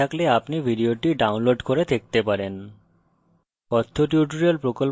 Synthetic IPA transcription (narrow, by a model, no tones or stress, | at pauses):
akleapnibʱiɖioʈiɖawnloɖkoɾed̪ʱek̚t̪epaɾen | kɔt̪ʰːoʈjuʈoɾiolpɾokol